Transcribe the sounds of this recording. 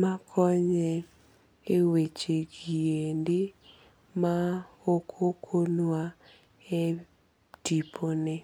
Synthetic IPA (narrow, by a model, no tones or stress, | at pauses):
makʰɔɲɛ | ewet͡ʃeɡiendɪ | maokʰokʰonwa | e | tipʰonɪ